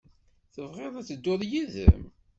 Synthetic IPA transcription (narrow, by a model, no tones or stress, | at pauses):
θəvʁeðˤæt͡sːəd̪ːʊðˤjiðə̰m